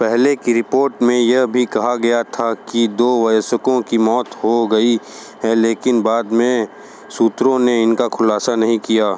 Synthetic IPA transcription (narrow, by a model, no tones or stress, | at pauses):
pɛɦlekiɾɪpoːɾʈmẽjɐɦbʱikɐɦaɡɐjat̪ʰakid̪oːʋɐjsəkõkimɔːt̪ɦoɡɐi | ɦɛleːkɪnbaːd̪mẽ | suːt̪ɾõneɪnkakʰʊlaːsanɐɦĩkijaː